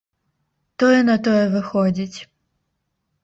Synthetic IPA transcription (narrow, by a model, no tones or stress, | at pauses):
t̪ɔjɛnɐt̪ɔjɛvɪxɔd͡zʲit͡sʲ